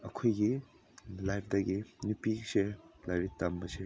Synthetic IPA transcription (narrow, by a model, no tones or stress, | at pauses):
ɐ̰kʰojɡi | lajp̚ʰdɐɡinupiselaɾitːɐmbɐse